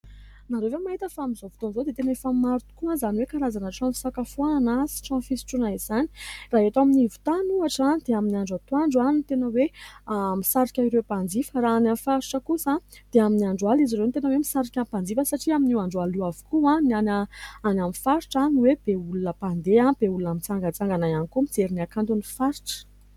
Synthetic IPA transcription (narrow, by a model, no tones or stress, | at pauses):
naɾovamaɦit̪əfamizovu̥t̪onzod̪et̪enefamaɾut̪u̥kuãzaniwekaɾazanaʈ͡ʂãfi̥sakafanasi̥ʈ͡ʂãfisi̥ʈ͡ʂunaiz̥ani̥raɦet̪oaminivu̥t̪anuaʈ͡ʂad̪eaminiaɳɖ͡ʐat̪uaɳɖ͡ʐwant̪enəwe | misaɾikʲaiɾepand͡zifaɾaanamifaɾiʈ͡ʂəkusad̪̥eaminiaɳɖ͡ʐualiziɾewnt̪enəwemisaɾikʲampand͡zifəsaʈ͡ʂiaminuaɳɖ͡ʐualuavu̥kuãnanaanamifaɾiʈ͡ʂaniweb̥eulunəpand̪eãb̥eulunəmit͡saŋɡət͡saŋɡanajanikumid͡zeɾiniakant̪unifaɾiʈ͡ʂə̥